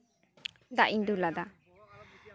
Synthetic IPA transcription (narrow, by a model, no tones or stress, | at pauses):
d̪aʔind̪ulad̪a